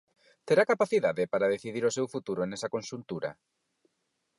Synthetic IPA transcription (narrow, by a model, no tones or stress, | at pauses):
t̪eɾakapaθiðaðɪpaɾaðeθiðiɾʊsewfut̪uɾoenɛsɐkõnʃunt̪uɾɐ̰